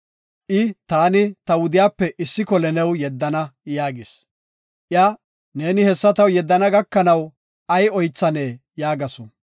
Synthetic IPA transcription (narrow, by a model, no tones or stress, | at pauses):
ʔɪt̪aːnɪt̪ɐwʊd̪ɪjaːpːɛʔɪsːɪkɔlɛnɛwjɛd̪ːɐnɐjaːɡɪs | ʔɪɐ | ne̞ːnɪhɛsːɐt̪ɐwjɛd̪ːɐnɐɡɐkːɐnɐw | ʔɐjɔjt͡sːɐneː | jaːɡɐsɔ